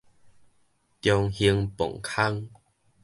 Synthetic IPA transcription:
kjɔ˧ŋhi˧əŋpo̰˨˩ŋkʰa˦ŋ

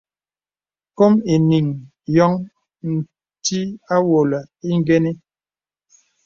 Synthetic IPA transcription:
ko˦mi˨ni˨ŋ | jɔ˦ŋ | n̩˨ | ti˦a˦wo˨la˨ | i˦ŋ˦ɡɛ˦ni˦

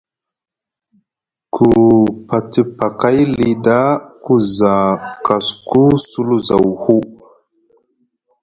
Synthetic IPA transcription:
kʰu˨pa˨ti˨pa˨ka˦jli˦da˦ku˦za˨ka˨sku˦su˦lu˦za˨whu˦

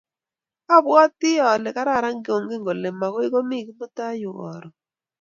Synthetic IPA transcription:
ɔ˦˨bɔ˦tɪ˦ɔ˨lɛ˨ka˦ɾa˦˨ɾa˦ŋɡo˨ŋɡɪ˦ŋɡo˨lɛ˨ma˨kwɪ˦ko˦mi˦˨kmo˦ta˦jʊ˨ɔ̰˨ɾɔ˨

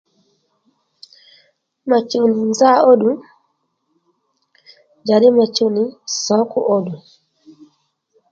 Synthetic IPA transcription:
ma˨t͡ʃu˨ni˨nza˦o˦ɗu˨ | d͡ʒa˨ɾi˦ma˨t͡ʃu˦ni˨sɔ˨˦ku˦˨ʔo˦ɗu˨

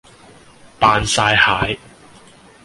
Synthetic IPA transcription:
paː˧nsaː˧jhaː˨˥j

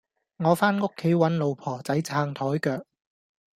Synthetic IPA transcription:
ŋɔː˨˧faː˥nŋʊ˥kʰːe˨˥jwɐ˨˥nlo˨wpʰɔː˨˩t͡sɐ˨˥jt͡sʰaː˧ŋt̪ʰɔː˨˥jkœː˧k̚

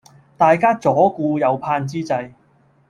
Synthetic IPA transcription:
t̪aː˨jkaː˥t͡sɔː˨˥kuː˧jɐ˨˧wpʰaː˧nt͡siː˥t͡sɐ˧j

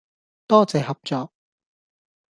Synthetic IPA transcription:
t̪ɔː˥t͡sɛː˨˩hɐ˨p̚t͡sɔː˨k̚

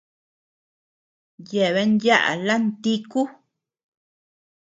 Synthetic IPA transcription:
je˨βe˧˦nja˦ʔa̰˨la˦nt̪i˦ku˦

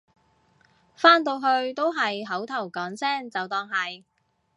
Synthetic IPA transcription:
faː˥nt̪̬o˧wɦɵ˧ɥt̪o˥wɦɐ˨jɦɐ˨˥wt̪ʰɐ˨˩wkɔː˨˥ŋsɛː˥ŋt͡sɐ˨wt̪ɔː˧ŋɦɐ˨j

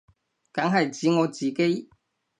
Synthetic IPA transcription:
kɐ˨˥ŋɦɐ˨jt͡siː˨˥ŋɔː˨˧t͡siː˨ke˥j

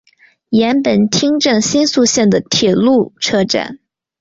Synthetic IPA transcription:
jɛ˧˥npə˨˩nt̪ʰi˥ŋʈ͡ʂɤ˥˩ŋɕi˥nsu˥˧ɕjɛ˥˩nd̪ə˩t̪ʰjɛ˨˩lu˥˩ʈ͡ʂʰɤ˥ʈ͡ʂa̰˥˩˦n

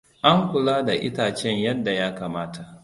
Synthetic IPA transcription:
ʔa˦ŋkʷʊ˨laː˦da˨ʔɪ̰˦taː˨t͡ʃɛ˦ɲjɐ˦dːa˨jaː˦kaː˨maː˦tʰa˨ʔ

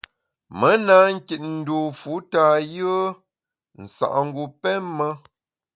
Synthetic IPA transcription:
mə˨˦na˨˦ŋ̩˦ki˨t̚n̩˨do˨fu˨˦ta˨jə˦ | n̩˨sa̰˨ʔŋ̩˦ɡu˨pɛ˦mːə˦

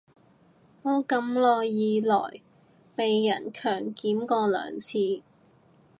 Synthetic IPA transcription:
ŋoː˧˥kɐ˧mlɔː˨jːiː˨˧lɔ̰ː˨˩j | pe˨jːɐ˨˩nkʰœː˨˩ŋkiː˨˥mkɔː˧lœ̰ː˨˩ŋt͡sʰiː˧

